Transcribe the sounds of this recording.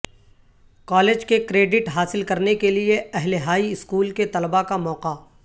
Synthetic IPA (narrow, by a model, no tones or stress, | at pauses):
kɔːleːd͡ʒkekɾeːɖɪʈɦaːsɪlkɐɾnekelieɛɦleɦaːiɪskuːlket̪ɐlbakamɔːqa